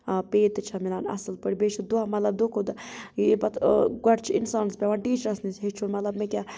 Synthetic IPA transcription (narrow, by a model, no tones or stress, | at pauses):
peːt̪t͡ʃʰɐmilaːnɐ̰sɨlpəɽibet͡ʃʰid̪uamɐt̪lɐb̚d̪okʰod̪abɐt̪ɡɐɖt͡ʃʰiinsaːnspʲaʋaːɳʈiːt͡ʃɾɐsnisɦet͡ʃʰunmɐt̪lɐbmekʲa